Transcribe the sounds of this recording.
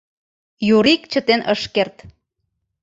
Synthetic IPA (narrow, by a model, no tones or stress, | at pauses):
juɾikt͡ɕə̆t̪enəʃkert̪